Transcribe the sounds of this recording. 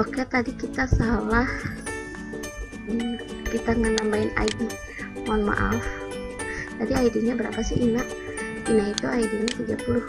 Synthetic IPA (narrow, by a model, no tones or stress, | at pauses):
okat̪adikit̪asalah | kit̪aŋənambaina̰idi | mɔnma̰ʔa̰f | tadiaidiɲabəɾa̰pasiʔinaʔ | inait̪uaidiɲat̪iɡapulʊh